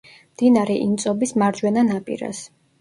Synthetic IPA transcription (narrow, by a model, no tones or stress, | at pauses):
md̪̥inaɾɛʔint̪sʼɔbismaɾd͡ʒwɛnanapʼḭɾa̰s